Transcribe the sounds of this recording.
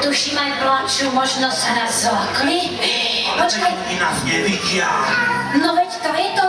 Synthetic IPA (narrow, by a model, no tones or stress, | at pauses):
t̪uʃiːmajblat͡ʃuːmɔʒnɔz̥ɦɾazzlakli | pɔt͡ʃkaj | inaːzɲɛʋiɟɪa | nɔʋɛct̪ɔjɛt̪ɔ